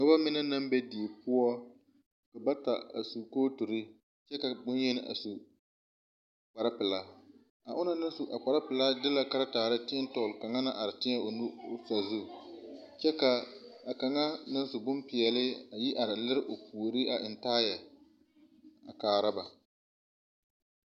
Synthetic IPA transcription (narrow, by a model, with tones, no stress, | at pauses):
ka˦ba˦mɪ˦nɛ˦na˦mbɛ˦di˨e˨pʊ˦ɔ˦ | ka˨ba˦ta˨a̰˨su˨koː˦tu˨ɾɪ˦ | t͡ʃɛ˦ka˨bʊ˦n˦jɛ˦nɪ˦ʔa̰˨su˨ | k͡pa˨ɾa˦pɪ˨la˦ | a˨ʔʊ˦na˦nɪ˦sʊ˨ʔa˨k͡pa˨ɾa˦pɪ˨la˦dɪ˦la˦ka˦ɾa˦taː˨ɾɪ˦tɪ˦n˦tɔ˨lka˨ŋa˦na˦ʔa˨ɾɪ˨tɪ˦ɲɛ˦o˨nʊ˦˨sa˨zʊ˦ | t͡ʃɛ˦ka˨a˨ka˨ŋa˦nɪ˦n˦sʊ˨bʊ˦mpɪ˨ɛ˨lɪ˦a˨ji˦ʔa˨ɾɪ˨lɪ˦ɾɪ˦ʔo˨pu˨ɾɪ˦a˨ʔɪ˨ntaː˦jɛ˨ | a̰˨kaː˨ɾa˦ba˨